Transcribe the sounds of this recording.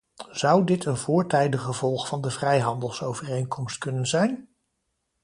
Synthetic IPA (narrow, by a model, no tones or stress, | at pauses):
z̥ɑwdɪtʰənvʊːɹtɛjdəχəvɔlˠχfɑndəvrɛjɦɑndəlˠsowvərejnkɔmstkɵnənzɛjn